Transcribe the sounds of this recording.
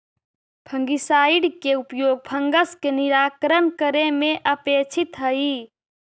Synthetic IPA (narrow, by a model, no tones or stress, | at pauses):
bʱəŋɡisaːiɽkeupjoːɡ̚bʰʱəŋɡəskeniɾaːkɾənkəɾemẽʔəpeːt͡ʃʰit̪ɦəi